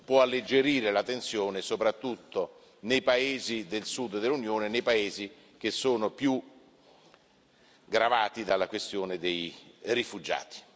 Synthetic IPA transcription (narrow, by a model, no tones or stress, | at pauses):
pwɔalːed͡ʒeɾiːɾelat̪ːent̪sjoːnesopɾat̪ːut̪ːo | nejpaeːzid̪elsud̪d̪elunjoːnenejpaeːzi | k̟esːoːnopju | ɡɾavaːt̪id̪alːakwest̪joːned̪ejrifud͡ʒa̰ːt̪i̥